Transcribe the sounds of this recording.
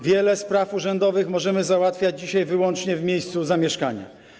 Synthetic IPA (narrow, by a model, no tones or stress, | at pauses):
vʲjɛlɛspɾafuʐɛnd̪ɔvɘxmɔʐɛmɘzawat̪fʲjad͡ʑd͡ʑiɕajvɘwɔnt͡ʂɲɛvmʲjejst̪suzamʲjɛʂka̰ɲa̰